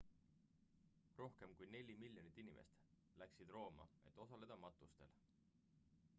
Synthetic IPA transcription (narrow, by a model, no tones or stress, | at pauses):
ro̞hke̞mkujne̞lʲimilʲjonit̪ːˑinimʔḛst̪ | læksid̪̥ro̞ːmɑ̰e̞̰t̪ːˑo̞sɑle̞d̪̥ɑmɑt̪ˑːust̪e̞̰l